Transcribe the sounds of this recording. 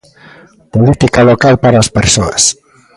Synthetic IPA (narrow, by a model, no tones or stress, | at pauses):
polit̪ikalokalpaɾaːspeɾsoɐs